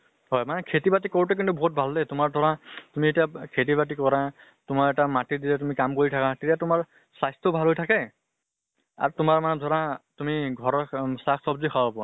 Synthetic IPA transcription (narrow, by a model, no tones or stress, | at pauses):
ɦɔjmanɛkʰetibatikoɹut̬ɛk̬intubɔɦut̚bʱaldetʊmaɹdʱɔɹatumietijakʰet̬ibat̬ikɔɹa | tʊmaɹɛtamatidilɛtumikamkoɹitʰakatetiatʊmaɹ | sajstɔbʱalɦojtʰakɛ | a̰ɹtʊmaɹmanɛdʱɔɹatumiɡʱɔɹɔsaksɔbzixʰawabɔa̰